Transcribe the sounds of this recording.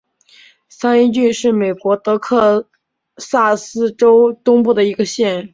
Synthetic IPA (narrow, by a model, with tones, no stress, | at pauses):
sa˥ni˥˧t͡ɕy˥˧nʂɻ̩˥˩me˨˩ɪkwɔ˧˥t̪ɤ˧˥kʰɤ˥˧ | sa˥˩sɹ̩˥ʈ͡ʂo˥ʊt̪ʊ˥ŋpu˥˩d̪ə˩i˧˥ɡə˧ɕjɛ˥˩n